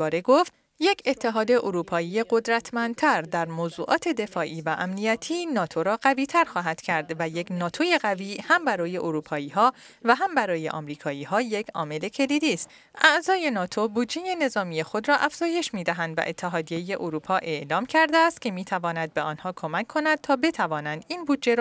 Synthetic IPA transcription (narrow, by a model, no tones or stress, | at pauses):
bɒːɾeɡo̞ft̪ | je̞cʰe̞t̪ʰːe̞ɦɒːd̪e̞ʔoɾuːpʰɒːijeɢo̞d̪ɾæt̪ʰmænd̪t̪ʰæɾd̪æɾmoːzuːʔɒːt̪ʰe̞d̪e̞fɒːʔiːvæʔæmnijæt̪ʰiːnɒːt̪ʰoɾɒːɢæviːt̪ʰæɾxɒːɦæd̪̥cʰæɾd̪væje̞kʰnɒːt̪ʰo̞je̞ɣæviːhæmbæɾɒːje̞ʔoɾuːpʰɒːiːɦɒːvæɦæmbæɾɒːje̞̰ʔɒ̰mɾiːkʰɒːiːhɒːje̞cʰɒ̰ːme̞le̞cʰe̞liːd̪iːst̪ | ʔæʔzɒːje̞nɒːt̪ʰo̞buːd̪d͡ʒe̞je̞ne̞zɒːmije̞xo̞d̪ɾɒːʔæfz̥ɒːje̞ʃmiːd̪æɦænd̪væ̰ʔet̪ʰːeɦɒːd̪ije̞je̞ʔoɾuːpʰɒːʔe̞ʔlɒːmcʰæɾd̪eːst̪kcʰe̞miːt̪ʰævɒːnæd̪̚beɒːnhɒːkʰo̞mækʰːo̞næd̪̥̚t̪ʰɒːbe̞t̪ʰævɒːnænd̪inbud̪d͡ʒe̞ɾ